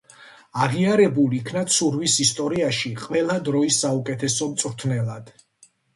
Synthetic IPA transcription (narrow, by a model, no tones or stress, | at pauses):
aʁiaɾɛbuliːkʰnat̪sʰuɾvisist̪ʼɔɾiaʃiqʼwɛlˠad̪ɾɔisːaukʼɛt̪ʰɛsɔmt̪sʼɾt̪ʰnɛlˠad̪̥